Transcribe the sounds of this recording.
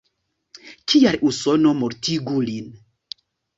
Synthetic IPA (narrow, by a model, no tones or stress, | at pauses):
kialʔusonomoɾtiɡulin